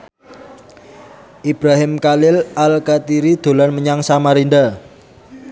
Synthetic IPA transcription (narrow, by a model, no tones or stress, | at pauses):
ʔib̥ɾaɦɪmkalɪlalkat̪iɾid̪̥o̤lanməɲaŋsamaɾind̪a